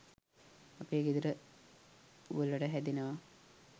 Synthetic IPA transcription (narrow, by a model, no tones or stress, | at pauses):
apeːɡid̪uɾə | ṵəlːəʈəɦæd̪inəʋa